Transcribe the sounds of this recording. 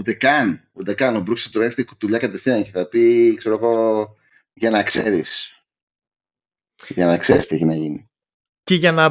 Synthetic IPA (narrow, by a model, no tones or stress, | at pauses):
ut̪e̞kɐn | ut̪e̞kɐnobɾukiset̪ɾext̪eku̥t̪uʎɐkɐt̪e̞fθiɐɲceθɐpikse̞ɾo̞ɣo̞ | ʝɐnɐkse̞̰ɾis | ʝɐnɐkse̞ɾist̪ieçinɐʝini | ceʝɐnɐ